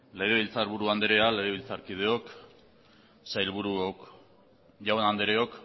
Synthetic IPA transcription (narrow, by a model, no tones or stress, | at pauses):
le̞ɣ̞e̞β̞ilt͡saɾβuɾuand̪eɾe̞ale̞ɣ̞e̞βilt͡saɾkið̞e̞o̞k | sajlβuɾuo | ʝawanand̪eɾeo̞k